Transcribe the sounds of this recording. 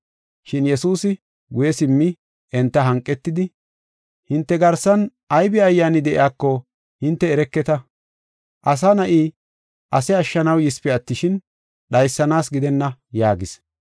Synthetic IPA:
ʃɪnjɛsuːsɪ | ɡʊjɛsɪmːɪ | ʔɛnt̪ːɐɦɐŋkʼːɛt̪ːɪd̪ɪ | hɪnt̪ːɛɡɐɾsɐn | ʔɐjbɪɐjːaːnɪd̪ɛʔɪ̰aːkːɔ | hɪnt̪ːɛːɾɛkːɛt̪ɐ | ʔɐs̬anɐʔiː | ʔɐsɛɐʃːɐnɐwjɪspɛɐt̪ːɪʃɪn | ɗɐjsːɐnaːsɡɪd̪ɛnːɐjaːɡɪs

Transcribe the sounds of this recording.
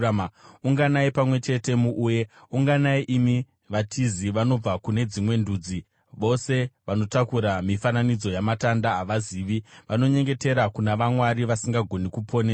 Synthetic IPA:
uŋɡanaipamwe̞t͡ʃe̞te̞muʔujeuŋɡanaiʔimi | ʋatʰiziʋano̞b͡vakune̞d͡zimwe̞ndud͡zi | ʋo̞se̞ʋano̞takuɾamifananid͡zo̞jamatandaːʋaziːʋiʋano̞ɲe̞ŋɡe̞te̞ɾakunaʋamwaɾiʋasiŋɡaɡʱo̞nikupʰo̞ne

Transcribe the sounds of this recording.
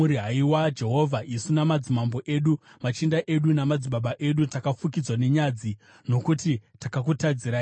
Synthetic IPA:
uɾiɦaiwad͡ʒe̞ɦo̞vʱaʔisunamad͡zimambo̞ʔe̞ːɗumat͡ʃindaʔe̞ɗunamad͡ziɓaɓaʔe̞ɗutakafukid͡zwane̞ɲad͡zi | no̞kutitakak̬utad͡ziɾai

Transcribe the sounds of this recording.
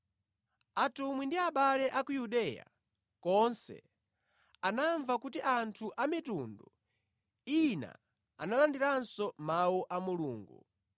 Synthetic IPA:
atumwindiaɓalɛʔakujuɗɛja̰ | kɔnsɛ̰ | anaɱvakutiʔantʰuʔamitundu | ina̰ | a̰nalandiɾansɔmawuʔamuluːŋɡu

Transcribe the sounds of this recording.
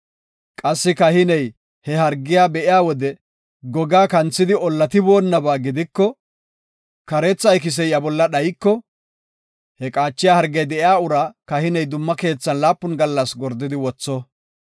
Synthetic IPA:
kʼɐsːɪkɐhɪnɛj | hɛhɐɾɡːɪjaːbɛʔɪjaːwɔd̪ɛ | ɡɔɡaːkɐnt͡sːɪd̪ɪɔlːɐt̪ɪbo̞ːnːɐbaːɡɪd̪ɪkːɔ | kɐɾɛt͡sːɐjk̬ɪs̬ɛjɐbɔlːɐɗɐjkːɔ | hɛkʼaːt͡ʃːɪjaːhɐɾɡɛjd̪ɛʔɪaːʊɾakɐhɪnɛjd̪ʊmːɐke̞ːt͡sːɐnlaːpːʊnɡɐlːɐsɡɔɾd̪ːɪd̪ɪwɔt͡sːɔ

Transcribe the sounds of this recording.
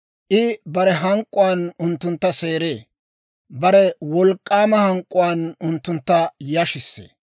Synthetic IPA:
ʔɪbɐɾɛɦɐŋkʼːʊwaːnʊnt̪ːʊnt̪ːɐse̞ːɾeː | bɐɾɛwɔlkʼːaːmɐhɐŋkʼːʊwaːnʊnt̪ːʊnt̪ːɐjɐʃɪsːḛː

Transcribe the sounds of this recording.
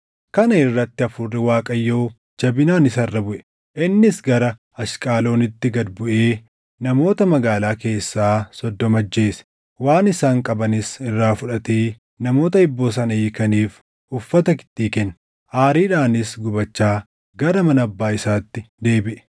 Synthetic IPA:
kɐnɐɪrːɐt̪ːɪɐfʊrːɪwaːkʼɐjːoː | d͡ʒɐbɪnaːnɪsɐrːɐbʊʔɛ̥ | ʔɪnːɪsɡɐɾɐ | ɐʃkʼaːlo̞ːnɪt̪ːɪɡɐd̪bʊʔe̞ː | nɐmo̞ːt̪ɐmɐɡaːlaːke̞ːsːaːsɔd̪ːɔmɐd͡ʒːe̞ːsɛ̥ | waːnɪsaːŋkʼɐbɐnɪsɪrːaːfʊᶑɐt̪eː | nɐmo̞ːt̪ɐɪbːoːs̬ɐnɐjɪkɐniːf | ʊfːɐt̪ɐkɪ̥t̪ːiːkɛnː | ʔaːɾiːᶑaːnɪsɡʊbɐt͡ʃːaː | ɡɐɾɐmɐnɐbːaːɪsaːt̪ːɪd̪e̞ːbɪʔɛ̥

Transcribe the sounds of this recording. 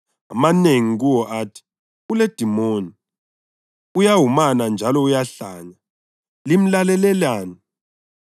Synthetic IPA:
a̰maneŋiɣ̬uwɔʔaːtʰi̥ | uled̥ʱimoːni | ujaɦumanand͡ʒʱalɔujaɬaɲa | lim̩lalɛlɛlaːni

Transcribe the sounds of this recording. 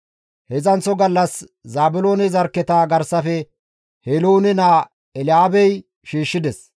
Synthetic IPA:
hɛzɐnt͡sːɔɡɐlːɐs | zaːbʊlo̞ːnɛzɐɾkːɛt̪aːɡɐɾsɐfɛ | heloːnɪnaː | ɛlɪaːbɛj | ʃiːʃːɪd̪ɛs

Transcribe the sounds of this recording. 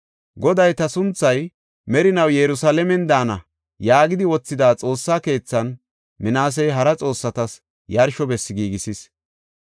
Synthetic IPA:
ɡɔd̪ɐjt̪ɐsʊnt͡sːɐj | mɛɾɪnɐwjɛɾʊsalɛmɛnd̪aːnɐ | jaːɡɪd̪ɪwɔt͡sːɪd̪aːt͡sʼo̞ːsːaːke̞ːt͡sːɐn | mɪnaːs̬ɛjɦɐɾɐt͡sʼo̞ːsːɐt̪ɐs | jɐɾʃɔbɛsːɪɡiːɡɪsɪs

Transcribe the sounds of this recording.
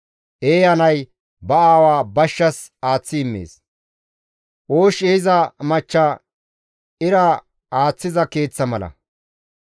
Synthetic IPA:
ʔeːjɐnɐj | bɐaːwaːbɐʃːɐs | aːt͡sːɪɪmːḛːs | ʔoːʃɛɪzɐmɐt͡ʃːɐ | ɪɾɐ | aːt͡sːɪzɐke̞ːt͡sːɐmɐlɐ̰

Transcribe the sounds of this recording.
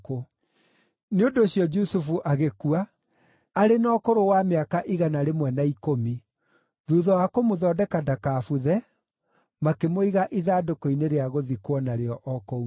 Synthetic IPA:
ko | neondoːɕjɔd͡ʒusufuʔaɣekuaː | ɾenɔːkoɾowameakaʔiɣanaɾemwɛnaikomi | ðuðɔwakomoðɔːdɛkadakaːfuðɛ | makemoiɣaʔiðaːdokɔineɾeaɣoðikwɔnaɾeɔʔɔkɔu

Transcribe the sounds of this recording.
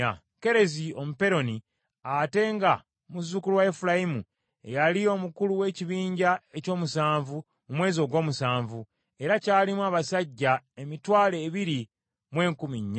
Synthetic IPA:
ke̞ɾe̞zio̞mupe̞ɾo̞ni | ate̞ŋɡa | muzukulwaefulajimṵ | e̞̰jalio̞ːmukuluwe̞ːciβiːɲɟae̞co̞ːmusaːɱvu | mumwe̞ːzio̞ːɡwo̞ːmusaːɱvu | e̞ɾacaːlimwaːβasaɟːae̞mitwaːle̞ːβiɾi | mwe̞ːŋkumiɲːa

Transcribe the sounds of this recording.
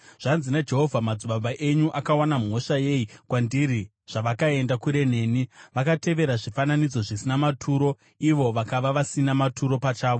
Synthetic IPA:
ʐ̥anzinad͡ʒe̞ɦo̞vʱamad͡zuɓaɓaʔe̞ɲuʔakawanamo̞ʂaje̞ikwandiɾi | ʐ̥aʋakae̞ndakuɾe̞ne̞ːniʋakate̞ʋe̞ɾaʐifananid͡zo̞ʐisinamatʰuːɾo̞ | iʋo̞ʋakaʋaʋasinamatʰuɾo̞pat͡ʃaːʋo̞

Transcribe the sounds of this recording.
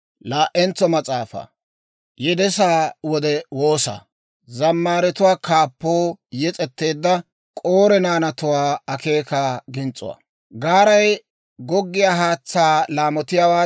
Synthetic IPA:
laːʔːɛnt͡sːɔmɐt͡sʼaːfɐ̰ | jɛd̪ɛsaːwɔd̪ɛwo̞ːsa̰ | zɐmːaːɾɛt̪ʊwaːkaːpːoːjɛt͡sʼɛt̪ːe̞ːd̪ːɐ | kʼoːɾɛnaːnɐt̪ʊwaːɐke̞ːkaːɡɪnt͡sʼːʊ̰wa̰ː | ɡaːɾɐj | ɡɔɡːɪjaːɦaːt͡sːaːlaːmɔt̪ɪjawaː

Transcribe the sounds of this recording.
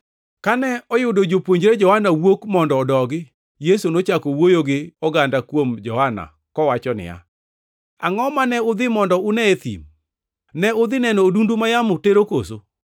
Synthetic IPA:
kanɛɔjʊdod͡ʒopwoɲd͡ʒɾed͡ʒɔhanawokmɔndɔːdɔɡɪ | jesonot͡ʃakowojoɡɪɔɡandakwomd͡ʒɔhana̰ | kɔwat͡ʃɔnɪ̰ja̰ | a̰ŋɔmanɛʊd̪ɪmɔndɔʊnɛet̪ḭm | nɛʊd̪ɪnɛnoːdundumajamʊteɾokoso

